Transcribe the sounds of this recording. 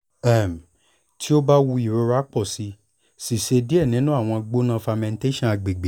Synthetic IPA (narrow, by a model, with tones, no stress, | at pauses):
ɛ˦˨m˨ | tʰi˦o˦ba˦wu˧i˨ɾo˧˦ɾa˦k͡pɔ˦˨si˨˧ | si˨ʃe˧di˦ɛ˦˨nĩ˨˦nũ˦a˦˨w̃ɔ̃˧ɡ͡bo˦nã˧fa˧mɛ̃˧n˦te˦ʃɔ̃˦˨a˧ɡ͡be˨ɡ͡be˨